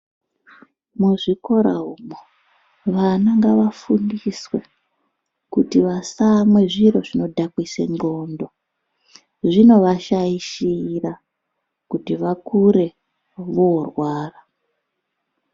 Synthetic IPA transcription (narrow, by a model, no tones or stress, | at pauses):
muʐiko̞ɾa̰ɦumo | ʋanaŋɡaʋafundiswe̞ | kutiʋasamwe̞ʐiɾo̞ʐino̞dʱakwisḛŋɡo̞ːndo | ʐino̞ʋaʃaiʃira | kutiʋakuɾe̞ | ʋorwaːra